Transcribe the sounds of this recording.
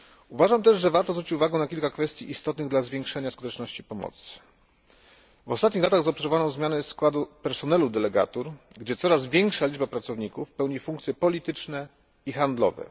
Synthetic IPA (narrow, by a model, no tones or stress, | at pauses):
uvaʐamt̪ɛʐʐɛvaɾt̪ɔzvɾut͡ɕit͡ɕuvaɡɛnakʲilkakfɛst̪jiʔist̪ɔt̪nɘɣd̪lazvʲjɛŋkʂɛɲaskut̪ɛt͡ʂnɔɕt͡ɕipɔmɔ̰t̪s | vɔst̪at̪̚ɲixlat̪aɣzɔpsɛɾvɔvanɔ̃w̃zmʲjanɛskwad̪upɛɾsɔnɛlud̪ɛlɛɡa̰t̪uɾ | ɡd͡ʑɛt̪sɔɾazvʲjɛŋkʂalʲid͡ʐbapɾat̪sɔvɲikufpɛwɲifuŋkt̪sʲjɛpɔlʲit̪ɘt͡ʂnɛ | ixand̪lɔ̰vɛ̰